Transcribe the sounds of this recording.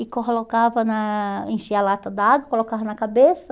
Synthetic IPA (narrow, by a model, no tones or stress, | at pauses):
ɪkolokavɐnɐẽʃiɐlat̪ɐd̪aaɡwɐkolokavɐnɐkabesɐ